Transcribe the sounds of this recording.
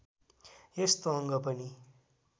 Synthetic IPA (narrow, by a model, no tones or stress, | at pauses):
est̪oʌŋɡʌpʌni